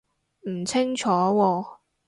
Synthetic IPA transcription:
m̩˨˩t͡sʰɪ˥ŋt͡ʃʰɔː˨˥wɔː˧

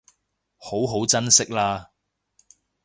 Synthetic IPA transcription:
ho˨˥wɦo˨˥wt͡sɐ˥nsɪ˥k̚laː˧

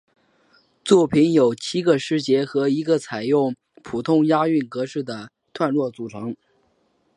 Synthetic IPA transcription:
t͡swɔ˥˩pʰi˧˥njo˨˩ʊt͡ɕʰi˥ɡə˨ʂɻ̩˥˩t͡ɕjɛ˧˥xɤ˧˥i˧˥ɡə˧t͡sʰa˨˩ɪjʊ˥˩ŋ | pʰu˨˩t̪ʰʊ˥ŋja˥y˥˩nkɤ˧˥ʂɻ̩˥˩d̪ə˩ | t̪ʰwa˥˧nɻwɔ˥˩t͡su˨˩ʈ͡ʂʰɤ˧˥ŋ

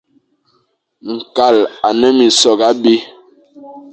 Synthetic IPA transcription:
ŋ̩˨ka˨la˨nɛ˦mi˨sɔ˨ɡa˦bi˦

